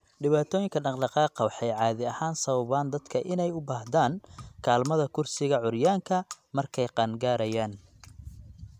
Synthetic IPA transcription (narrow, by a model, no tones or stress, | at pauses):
ɖɪβaːt̪ʰɔːjɪŋkʰɐɖɑqɖɑqɑːqɑwɑħɛjʕɑːðɪɐhaːnsɐβɐβaːnd̪ɐd̪kʰɐʔɪnɛjʊbaːhd̪aːŋkʰaːlmɐðɐkʰʊrsɪɣɐʕʊrjaːŋkʰɐ | mɐrkʰɛjqɑnɡaːɾɐjaːn